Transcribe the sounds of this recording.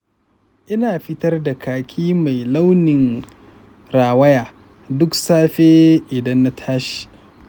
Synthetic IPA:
ʔɪ˦naː˨ɸɪ˦tɐ˦rda˨kaː˨kʲʰiː˦ma˨jla˦wnɪ˨ŋ | ɾaː˨wɐ˦jaː˨ | dʊ˦ksaː˦ɸeː˦ʔɪ˨dɐ˦nːa˦tʰaː˦ʃi̥˨

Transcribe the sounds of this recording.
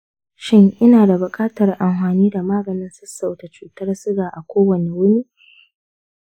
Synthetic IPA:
ʃɪ˦ŋʔɪ˦naː˨da˨bʊ˨kʼaː˦tɐ˨rʔa˨mɸaː˨niː˦da˨maː˦ɡɐ˨nɪ˦nsʊ˦sːa˨wta˨t͡ʃuː˨tɐ˦rsʊ˦ɡaː˨ʔa˨kʷoː˦wɐ˨ne˨wʊ˦niː˦

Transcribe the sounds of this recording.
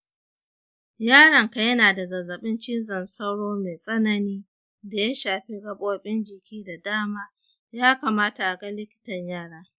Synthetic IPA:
jaː˦ɽɐ˨ŋka˦jɐ˦naː˨da˨zɐ˨zɐ˨ɓɪ˦nt͡ʃɪ˦nzɐ˨nsɐ˦wɽoː˦me˨sʼɐ˦nɐ˨niː˦ | da˨ja˦ʃaː˨ɸi˦ɡɐ˦ɓʼoː˦ɓʼɪ˦nd͡ʒɪ˨kʲiː˦da˨daː˦maː˦ | jaː˦ka˨maː˦ta˨ʔa˨ɡɐ˦lɪ˦kʲɪ̥˦tɐ˨ɲjaː˦ɽaː˦

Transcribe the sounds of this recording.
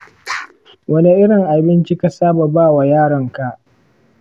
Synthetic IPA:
wɐ˦ne˦ʔɪ˦ɽɪ˨ŋʔa˨bɪ˦nt͡ʃi˦ka˦saː˦ba˨baː˦˨wa˨jaː˦ɽɐ˨ŋka˨ʔ

